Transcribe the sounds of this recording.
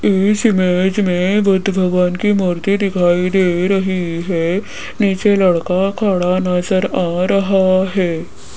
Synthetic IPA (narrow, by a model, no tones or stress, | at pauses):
esɪmeːd͡ʒmẽʋʊd̪bʱəɡankimoɾt̪id̪ɪkʰaːid̪eɾɐɦiɦɛ | niːt͡ʃeləɽkakʰaːɽanəzəɾaɾəɦaɦɛː